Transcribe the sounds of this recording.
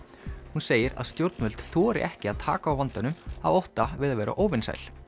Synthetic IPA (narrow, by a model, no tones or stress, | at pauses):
hunseːjɪɾa̰ðst̪jowɾt̪nvʏlt̪θɔːɾɪ̰ʔɛhcɪaðt̪ʰa̰ːkaːwvant̪ʏnʏmavowht̪avɪðavɛːɾa̰ʔoːwvɪnsa̰jl